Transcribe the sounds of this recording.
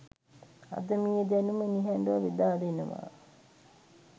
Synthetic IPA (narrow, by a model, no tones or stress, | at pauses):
a̰d̪əmijed̪ænuməniɦæɳɖuʋɐʋed̪aːɖəenəʋa̰ː